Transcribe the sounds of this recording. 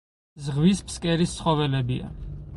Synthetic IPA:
zʁvispʰskʼɛɾist̪sχɔvɛlɛbia̰

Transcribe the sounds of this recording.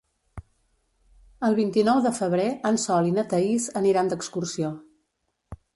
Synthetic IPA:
əlˠβint̪inɔwðəfəβ̞ɾeənsɔlinət̪əizəniɾand̪əkskursio

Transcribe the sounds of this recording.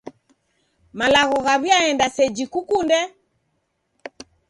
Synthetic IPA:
malaɣɔɣaβjaɛndasɛd͡ʒikukundɛ

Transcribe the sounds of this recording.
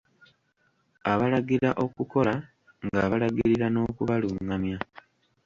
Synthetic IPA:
aβalaɡiɾaʔo̞kuko̞la | ŋɡaːβalaɡiɾiɾano̞ːkuβaluŋamja

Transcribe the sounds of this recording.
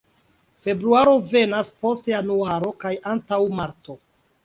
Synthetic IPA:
fe̞bɾuaɾo̞ve̞naspo̞stejanuaɾo̞kajʔantawmaɾto̞

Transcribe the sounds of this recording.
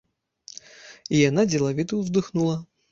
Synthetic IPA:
ijanad͡zʲɪlˠavʲit̪uvd̪ɨxnulˠɐ

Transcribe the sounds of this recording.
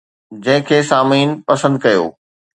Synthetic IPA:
d͡ʑɐ̃ɦɪ̃kʰeːsaːmiːnpɐsə̃nd̪̚kɐjo̰ː

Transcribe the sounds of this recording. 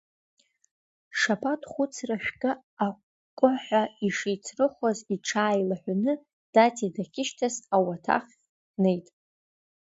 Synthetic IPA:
ʂapʰatʰʼχʷʊt͡sʰraʃᶣɡʲʼa | a | kʷʼʊħʷaiʂijt͡sʰrɨχʷaziʈ͡ʂʰaːjlaħʷᶣanɨ | d̥atʰidakʲʰɪʃtʰasawatʰa̰χʲ | ne̞jtʼ

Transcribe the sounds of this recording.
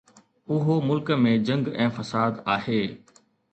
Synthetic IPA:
ʊɦomʊlkəmẽd͡ʑɐ̃ŋɡɛ̃ːfɐsaːd̪aːɦeː

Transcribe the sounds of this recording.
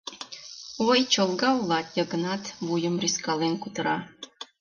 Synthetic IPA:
ojt͡ʃolˠɡɑulˠɑt̪jaɡə̆nɑt̪bujəmrʲiskɑlˠenkut̪əɾɑ

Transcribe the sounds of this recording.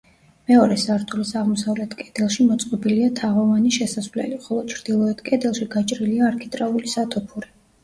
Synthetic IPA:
mɛɔɾɛsaɾt̪ʰulisaʁmɔsavlɛt̪ʰkʼɛd̪̥ɛlˠʃimɔt̪sʼqʼɔbiliat̪ʰaʁɔvaniʃɛsasvlɛ̰liχɔlˠɔt͡ʃʰɾd̪̥ilˠɔɛt̪kʼɛd̪ɛlˠʃiɡat͡ʃʼɾiliaːɾkʰit̪ʼɾaulisat̪ʰɔpʰuɾi

